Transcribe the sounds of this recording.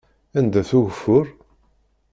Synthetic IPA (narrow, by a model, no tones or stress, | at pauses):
ænd̪æθuwfːʊɾ